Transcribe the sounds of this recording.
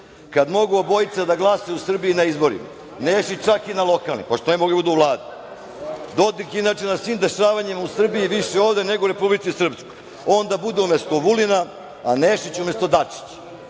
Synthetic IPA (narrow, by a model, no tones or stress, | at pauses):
kad̪mo̞ɡuobo̞jit̪sad̪aɡlˠaseusr̩biinaizbo̞ɾḭma̰ | neːʃit͡ɕt͡ʃakinalˠo̞kalnḭmpoʃt̪onemoɡebud̪uuʋlˠaːd̪i | d̪o̞d̪ikinaːt͡ʃenasʋimd̪e̞ʃaːʋaɲimausr̩biiʋiʃeoːʋd̪eneɡouɾe̞publitsisr̩pskoj | o̞nd̪abud̪eumest̪oʋulina | aneːʃit͡ɕumest̪o̞d̪at͡ʃi̥t͡ɕ